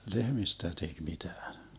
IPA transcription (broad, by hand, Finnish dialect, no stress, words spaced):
lehmistæ tek mitæːn